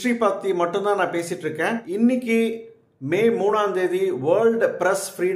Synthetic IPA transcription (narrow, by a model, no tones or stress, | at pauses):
ɾiːpaːk̚t̪ːimɐʈːɯ̃nt̪ãːnãːpeːsɪʈːɾɯkːẽːɪnːɪkʲːɯ | meːmuːɳaːnd̪eːðiʋɐːɭɖpɪɾɛsfɾiːɽ